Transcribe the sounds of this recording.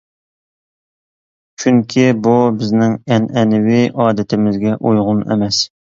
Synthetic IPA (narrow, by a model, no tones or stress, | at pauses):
t͡ʃʰyŋkʲʰibubɪznɪŋɛnɛnɪwɪʔɑːd̪ɪt̪ʰɪmɪzɡʲɛʔojʁʊnḛmɛs